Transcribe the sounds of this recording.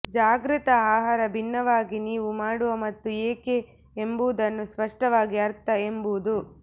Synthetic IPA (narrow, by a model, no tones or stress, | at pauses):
d͡ʒaːɡɾit̪ɐaːɦaːɾɐbʱinːɐʋaːɡiniːʋumaːɽuʋɐmɐt̪ːueːke | embuud̪ɐnːuspɐʂʈɐʋaːɡiɐɾt̪ɐembuud̪u